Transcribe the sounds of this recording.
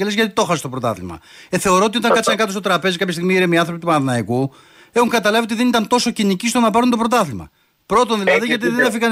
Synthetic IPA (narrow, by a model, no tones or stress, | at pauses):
elezʝɐt̪it̪o̞xɐsest̪o̞pɾot̪ɐ̰θlḭmɐ̰eθe̞o̞ɾo̞oiot̪ɐŋkɐt̪sɐŋkɐt̪osot̪ɾɐpe̞zikɐpçɐst̪iɣmiiɾemiɐnθɾopit̪upɐnɐðinɐiku | exuŋkɐt̪ɐlɐviot̪iðenit̪ɐnt̪o̞so̞cinicist̪onɐpɐɾunt̪o̞pɾo̞t̪ɐθlimɐ̰ | pɾo̞t̪onðilɐðiʝɐt̪̬iðenefiɣɐn